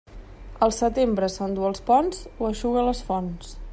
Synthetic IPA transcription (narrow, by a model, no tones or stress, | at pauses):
əlˠsət̪embɾəsond̪uəlˠspɔnzoəʃuɣələsfɔns